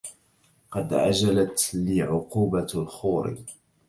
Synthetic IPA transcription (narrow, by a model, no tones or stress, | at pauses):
qɑd̪ʕa̰d͡ʒalat̪liːʕʊquːbalxuːɾḭ